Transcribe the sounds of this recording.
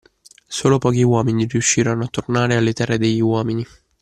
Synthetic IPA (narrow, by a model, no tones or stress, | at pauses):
soːlopɔːk̟iwɔːminiriuʃːiːɾanoat̪ːornaːɾealːet̪ɛrːed̪eʎːiwɔːmini